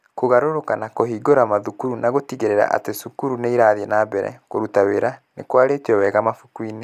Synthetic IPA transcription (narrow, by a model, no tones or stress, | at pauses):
koɣaɾoɾokanakoɦiːɡoɾamaðukuɾunaɣotiɣeɾeɾa̰ʔa̰tesukuɾuneiɾaðenabɛɾɛ̰koɾutaweɾanekwaɾetiɛwɛːɣamafukwine